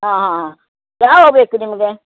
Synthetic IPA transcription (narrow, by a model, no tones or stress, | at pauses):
ɦãːɦaɦã | jaːɦoːbeːkunɪmɐɡe